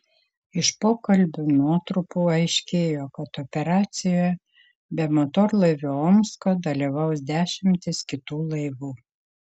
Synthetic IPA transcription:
ɪʃpoːkɐlʲbʲʊnuɔt̪ɾʊpuːɐɪʃʲkʲeːjoːkɐt̪opʲɛɾɑːt̪sʲɪjoːjɛ | bʲɛmot̪oːɾlˠɐɪʋʲʊɔːmskoːd̪ɐlʲiʋɐʊsd̪ʲæːʃʲɪmʲt̪ʲɪskʲɪt̪uːlˠɐɪʋuː

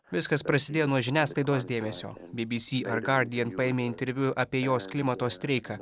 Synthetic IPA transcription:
ʋʲɪskɐspɾɐsʲɪd̪ʲeːjoːnuɔʒʲɪnʲæːsklˠɐɪd̪oːs̬d̪ʲeːmʲɛsʲo̰ːbʲibʲiːsʲiːʔɐɾɡɐɾʲd̪ʲɪjɛnpɐeːmʲeːɪnʲt̪ʲɛɾʲʋʲʊʔɐpʲiɛjoːsklʲɪmɐt̪oːsʲt̪ʲɾʲɛɪkɐː

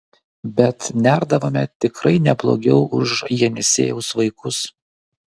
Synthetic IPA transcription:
bʲɛt̪nʲæˑɾd̪ɐʋoːmʲɛt̪ʲɪkɾɐɪnʲɛblˠo̰ːɡʲɛʊʔʊʃjɛnʲɛsʲḛːjɛʊsʋɐɪkʊs

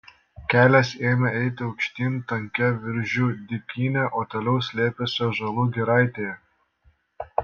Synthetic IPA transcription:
kʲæːlʲɛseːmʲɛɛɪt̪ʲɪɒʊkʃʲt̪ʲiːmt̪ɐŋʲkʲɛʋʲɪɾʲʒʲuːd̪ʲɪkʲiːnʲɛʔoːt̪oːlʲɛʊsʲlʲeːpʲesʲoːʒɐlˠuːɡʲɪɾɐˑɪt̪ʲeːjɛ

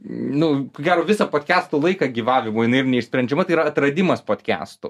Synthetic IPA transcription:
nʊkoɡʲæːɾoːʋʲɪsɐpoːt̪ʲkʲæːst̪oːlˠɐɪkɐɡʲiːʋɑːʋʲɪmoːjɪnɐɪɪrnʲɛɪʃsʲpʲɾʲɛnʲd͡ʒʲɛmɐt̪ɐɪiːɾɐɐt̪ɾɐd̪ʲɪmɐspoːt̪ʲkʲæ̰ːst̪ṵ

